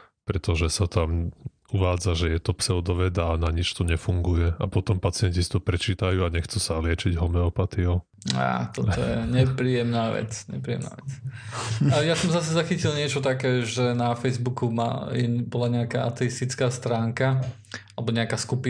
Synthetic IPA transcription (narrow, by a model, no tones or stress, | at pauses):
pɾɛt̪ɔʒɛsat̪am | uʋaːd͡zaʒɛjɛt̪ɔpsɛɔd̪ɔʋɛd̪aːnaɲit͡ʃt̪ɔɲɛfuŋɡujɛapɔt̪ɔmpat͡sɪɛɲcisi̥t̪ɔpɾɛt͡ʃiːt̪ajuaɲɛxt͡susalɪɛt͡ʃiɟɦɔmnɛɔpat̪iɔ | a̰ːt̪ɔt̪ɔjɛ̰ɲɛpɾiːɛmnaːʋɛ̰t͡sɲɛ̰pɾiːɛ̰mna̰ːʋɛt͡s | ajasɔmzasɛzaxicilɲɪɛt͡ʃɔt̪akɛːʒɛnafɛjzbukuma̰jɛbɔlaɲɛakaʔat̪ɛist̪it͡skaːst̪ɾaːŋka | alɛbɔɲɛakaskupi